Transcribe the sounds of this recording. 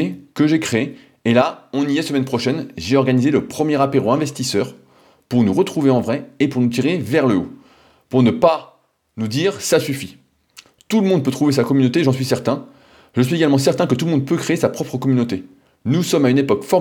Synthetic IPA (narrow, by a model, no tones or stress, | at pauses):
ekəʒekχeeː | laɔ̃nijɛsəmɛnpχɔʃɛnʒeɔʁɡanizeləpχəmjɛʁapeʁoɛ̃vɛst̪isœːʁ | puʁnuʁət̪χuveɑ̃vʁɛepuʁnut̪iʁevɛʁləo̰ | puʁnəpa | nud̪iːʁsasyfi | t̪uləmɔ̃d̪̚pøt̪χuvesakɔmynot̪eʒɑ̃sɥisɛʁt̪ɛ̃ | ʒəs̬ɥieɡalmɑ̃s̬ɛʁt̪ɛ̃kət̪uləmɔ̃d̪̚pøkχeesapχɔpχəkɔmynot̪e | nusɔmaynepɔkfɔ